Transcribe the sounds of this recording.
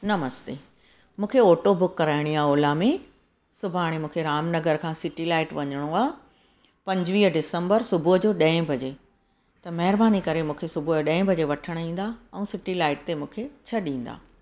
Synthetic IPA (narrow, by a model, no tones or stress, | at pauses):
nɐməzd̪eː | mũːkʰeoːʈobʊkːɐɾaːɪɽ̃iaːoːlamẽ | sʊbʱaːɽ̃emũːkʰeɾaːmnɐɡəɾkʰãːsɪʈilaːɪʈʋɐɲəɽ̃oaː | pɐ̃ɲd͡ʑʋiːɦɖɪsə̃mbəɾsʊbʱʊɦd͡ʑoːɗɐ̃ːɪ̃bʱɐd͡ʑeː | t̪ɐmɐɦɪɾbaːnikɐɾemũːkʰesʊbʱʊɗɐ̃ːɪ̃bʱɐd͡ʑeʋɐʈʰəɽ̃ĩːn̆d̪aɛ̃ũsɪʈilaːɪʈt̪emũːkʰet͡ɕʰɐɗĩːn̆d̪a̰ː